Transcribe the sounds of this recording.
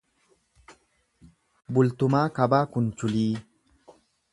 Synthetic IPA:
bult̪umakabakunt͡ʃuli

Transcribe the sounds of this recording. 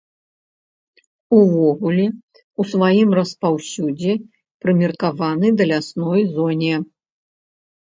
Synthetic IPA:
uvɔɣulʲɛ | usvajimrɐspawsʲud͡zʲɛ | pɾɨmʲirkavanɨd̪ɐlʲasnɔjzɔnʲɛ

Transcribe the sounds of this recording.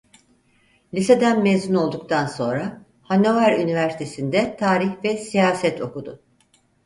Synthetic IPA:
lʲise̞d̪ænmezyno̞lˠd̪uk̚t̪ʰanso̞nɾa | hano̞vaɾynivæɾsi̥t̪ʰe̞sind̪ɛt̪ʰaːɾiçvɛsijaːsɛt̪ʰo̞kud̪ʊ

